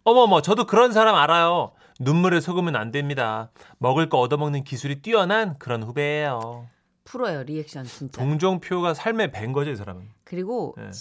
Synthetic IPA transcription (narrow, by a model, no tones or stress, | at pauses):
ʌmʌmʌt͡ɕʌdokɯɾʌns̬ʰaɾamaɾajo | numːuɾesʰoɡɯmɯnandwemɲida | mʌɡɯɭk͈ʌʌdʌmʌŋnɯnkisʰuɾit͈wiʌnankɯɾʌnɸubeːjo | pʰuɾʌjoɾiek̚ɕ͈ʰʌnt͡ɕint͡ɕp͈aoŋd͡ʑoŋpʰjoɡasʰaɭme̞pe̞nɡʌd͡ʑoisʰaɾamɯnkɯɾiɡonḛ